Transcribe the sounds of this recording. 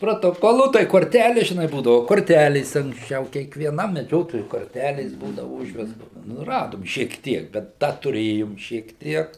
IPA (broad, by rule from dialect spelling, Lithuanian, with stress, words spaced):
proːtoːˈkoːlˠuː tɐɪ koːrʲˈtʲælʲeːs ʒʲɪˈnɐɪ ˈbuːdɐʋʊ koːrʲˈtʲælʲeːs ɐŋksʲˈt͡ʃʲɛʊ kʲiɛkʋʲiɛˈnɐm mʲɛˈd͡ʒʲoːtoːjʊɪ koːrʲˈtʲælʲeːs ˈbuːdɐʋʊ ˈʊʒʲʋʲɛstoːs nʊ ˈrɑːdoːm ʃʲiɛk ˈtʲiɛk bʲɛt ˈdɐ tʊˈrʲeːjoːm ʃʲiɛk ˈtʲiɛk